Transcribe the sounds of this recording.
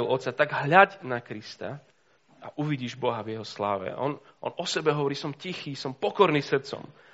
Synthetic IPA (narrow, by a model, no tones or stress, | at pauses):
lɔt̪sat̪aɡɦʎaɟnakɾist̪a̰ | aʔuʋiɟiːʒbɔɦavjɛɦɔslaːʋɛ̰ʔɔ̰nʔɔ̰nɔsɛbɛɦɔʋɔɾiːsɔmcixiːsɔmpɔkɔɾniːsr̩t̪t͡sɔ̰m